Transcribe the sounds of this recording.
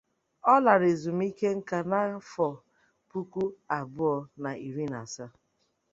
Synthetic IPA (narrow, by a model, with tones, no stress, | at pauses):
ɔ˦la˨ɾe˨zu˨m̩˦i˦ke˦ŋ̩˦ka˨na˦fɔ˨ | pu˦ku˦a˨bʊ˦ɔ˨na˨i˨ɾi˦na̰˨sa˦